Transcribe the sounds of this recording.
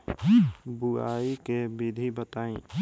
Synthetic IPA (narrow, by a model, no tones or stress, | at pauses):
bua̰ːikebid̪ʱibət̪aːĩː